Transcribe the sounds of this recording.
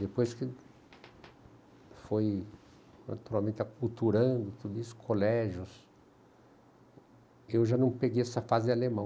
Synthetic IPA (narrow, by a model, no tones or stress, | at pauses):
d̪epojskɪ | foj | na̰t̪uɾawmẽnt̪akult̪uɾɐ̃d̪ʊt̪ud̪ʊisʊ̥kʰolɛʒjʊs | ewʒanɐ̃w̃peɡejɛsɐfazɪalemɐ̃w̃